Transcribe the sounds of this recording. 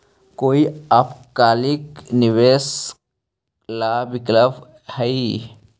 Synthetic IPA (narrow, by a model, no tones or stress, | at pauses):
koːiɐpkaːlikniʋeːs | laːbikləb | həi